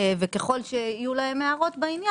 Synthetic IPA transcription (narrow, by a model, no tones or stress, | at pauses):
vekeχo̞lʃeijulahe̞mːeaʁo̞t̪bainja